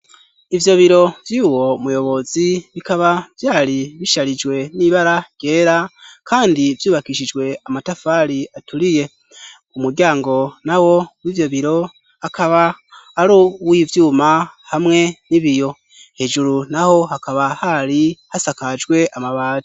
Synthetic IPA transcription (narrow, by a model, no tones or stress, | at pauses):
ivjo̞βiɾo̞vjuwo̞mujo̞βo̞ziβikaβavjaːɾiβiʃaɾid͡ʒwe̞niβaɾaj̥e̞ːɾakaːndivjuːβakiʃid͡ʒɡwe̞amatafaːɾiatuɾije̞ | umuɾɟaːŋɡo̞nawo̞wivjo̞βiɾo̞ | akaβaːɾuwivjuːmahamŋe̞niβijo̞ | he̞ʒuɾunaho̞hakaβahaɾihasakad͡ʒɡwe̞ʔamaβaːti